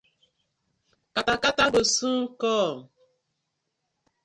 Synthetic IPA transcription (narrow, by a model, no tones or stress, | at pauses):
katakataɡosũkɔː